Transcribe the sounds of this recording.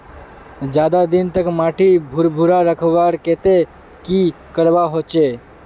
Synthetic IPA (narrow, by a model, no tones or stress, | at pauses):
d͡ʒjaːd̪ad̪ɪnt̪əkmaːʈʰibʱʊɾbʱʊɾaɾəkʰʋaːɾkeːt̪e | ki | kəɾbaɦoːt͡ʃeː